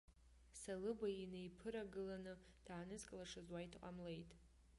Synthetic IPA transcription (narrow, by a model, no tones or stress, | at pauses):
salɨbainejpʰɨɾaɡɨlanɨ | d̥aːnɨzkʼlaʂazwajtʰqʼa̰mlejtʼ